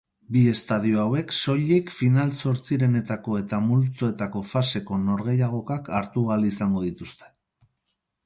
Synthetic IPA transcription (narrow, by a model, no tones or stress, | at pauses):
bie̞st̪að̞ioawe̞kso̞ʎekfinalso̞ɾt͡siɾe̞ne̞t̪ako̞e̞t̪amult͡so̞e̞t̪ako̞fase̞ko̞no̞ɾɣe̞jaɣ̞o̞kakaɾt̪uɣalisaŋɡo̞ð̞it̪ust̪e̞̥